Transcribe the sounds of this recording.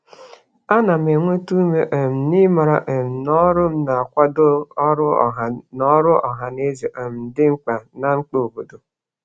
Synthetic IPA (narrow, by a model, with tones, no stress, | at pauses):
a˦na˨me˨ŋʷe˦tu˦me˦ʔe˨m̩˨ni˦ma˨ɾa˦˨ʔe˨m̩˨nɔ˦ɾʊ˦m̩˦na˨a˨kʷa˦dʊ˦ɔ˦ɾʊ˦˨nɔ˦ɾʊ˦ɔ̰˨ɦa˨ne˦ze˨ʔe˨m̩˨n̩˨dɪ˦ŋ͡m̩˦k͡pa˨na˨ŋ͡m̩˦k͡po˦˨o˨bo˨do˨